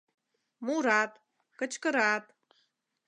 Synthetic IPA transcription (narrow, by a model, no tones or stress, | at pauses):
muɾatʼ | kʼat͡ʃʰkʼɨɾatʼ